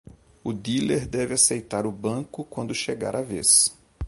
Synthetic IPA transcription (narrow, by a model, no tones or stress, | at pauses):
ʊd̪ileɾd̪ɛvɪasejt̪aɾʊbɐ̃kʊkwɐ̃nd̪ʊʃeɡa̰ɾʔavḛs